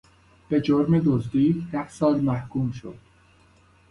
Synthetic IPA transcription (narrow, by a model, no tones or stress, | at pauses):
b̥e̞d͡ʒoɾmed̪ozd̪iːd̪æhsɒːlmæhkʰuːmʃo̰d̪̥